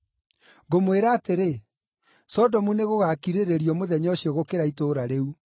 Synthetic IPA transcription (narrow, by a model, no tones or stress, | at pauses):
ɣomweɾaːteɾe | sɔdɔmuneɣoɣakiɾeɾeɾjɔmoðɛɲɔɕiɔɣokeɾaitoːɾaɾeu